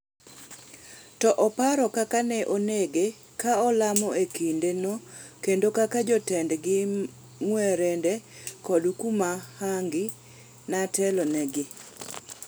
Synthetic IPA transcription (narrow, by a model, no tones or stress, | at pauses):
tɔʔɔpaɾɔkakanɛʔoneɡe | kaɔlamɔekindenɔkendokakad͡ʒɔtɛndɡɪ | ŋwɛɾɛndɛkɔdukumahaŋɡɪ | natɛlɔnɛɡɪ